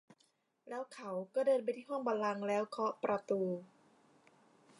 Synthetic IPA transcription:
lɛː˦˥wkʰa˦wkɔː˥˩dɤː˧np̬a˧jt̪ʰiː˥˩ɦɔ˥˩ŋba˧nla˧ŋlɛː˦˥wkʰɔ˦˥ʔpɾʔa˧t̪uː˧

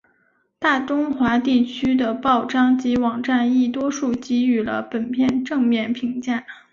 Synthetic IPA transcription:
t̪a˥˩ʈ͡ʂʊ˥ŋxwa˧˥t̪i˥˩t͡ɕʰy˥d̪ə˨pɑ˥˩ʊʈ͡ʂɑ˥˩ŋt͡ɕi˧˥wɑ˨˩ŋʈ͡ʂa˥˧ni˥˩t̪wɔ˥ʂu˥˩t͡ɕi˧˥y˨˩lə̰˦pə˨˩npʰjɛ˥˧nʈ͡ʂɤ˥˧ŋmjɛ˥˩npʰi˧˥ŋt͡ɕja˥˩

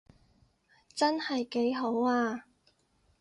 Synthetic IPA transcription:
t͡sɐ˥nhɐ˨jke˨˥jɦo˨˥waː˧

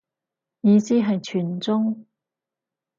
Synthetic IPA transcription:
jiː˨˧siː˥ɦɐ˨jt͡ʃʰyː˨˩nt͡sʊ˥ŋ

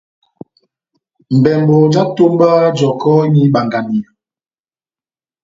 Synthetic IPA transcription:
m̩˨bɛ˨m˨bɔ˨d͡ʒa˦to˦m˦ba˦d͡ʒɔ˨kɔ˦ɲi˦ɓa˨ŋɡa˨ni˨

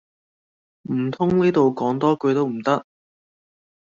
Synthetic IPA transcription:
m̩˨˩t̪ʰʊ˥ŋniː˥t̪o˨wkɔː˨˥ŋt̪ɔː˥kɵ˧ɥt̪o˥wm̩˨˩t̪ɐ˥k̚

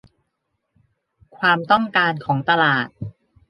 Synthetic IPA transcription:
kʰwaː˧mt̪ɔ˥˩ŋkaː˧nkʰɔː˩˦ŋt̪a˧laː˨˩t̪̚

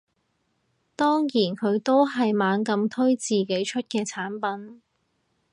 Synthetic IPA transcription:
t̪ɔː˥ŋjiː˨˩nkʰɵ˨˧ɥt̪o˥wɦɐ˨jmaː˨˧nkɐ˧mt̪ʰɵ˥ɥt͡siː˨ke˨˥jt͡ʃʰɵ˥t̚kɛː˧t͡sʰaː˨˥npɐ˨˥n

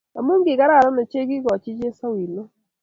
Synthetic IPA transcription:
a˨mu˦ŋ˦ɡɪ˨ka˦ɾa˦˨ɾɔ˦nɔ˨t͡ʃe˦ki˦kɔ˨t͡ʃi˦t͡ʃe˦sa˦wi˨lo˦

